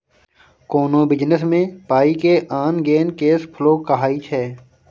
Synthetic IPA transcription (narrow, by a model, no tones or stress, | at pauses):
koːnõːbɪd͡ʒnəsmẽːpaːikeʔaːnɡeːnkeːspʰʊloːkəɦaːit͡ʃʰɛː